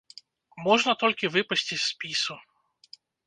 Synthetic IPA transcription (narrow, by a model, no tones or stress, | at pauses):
moʐnət̪olʲkʲɪvɨpɐsʲtʲɪtʲspʲisʊ